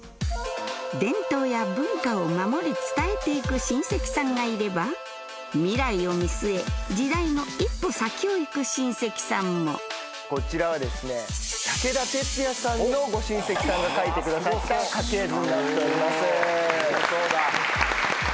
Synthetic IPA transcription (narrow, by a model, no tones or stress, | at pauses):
d̪ẽ̞nt̪o̞ːjabɯ̟̃ŋkao̞mamo̞ɾʲit͡sɨ̥t̪ae̞t̪e̞ikɯ̟ɕĩɰ̃se̞kʲi̥sãŋɡaiɾe̞ba | mʲiɾaio̞mʲisɨe̞d͡ʑid̪aino̞ipːo̞sakʲio̞ikɯ̟ɕĩɰ̃se̞kʲi̥sãmːo̞̰ | ko̞t͡ɕiɾaβad̪e̞sɨne̞sake̞d̪at̪e̞t͡sɨjasãɲinoɡo̞ɕĩɰ̃se̞kʲi̥sãŋɡakait̪e̞kɯ̟d̪asaakaked̪oatt̪oimas | osoːɡ̪a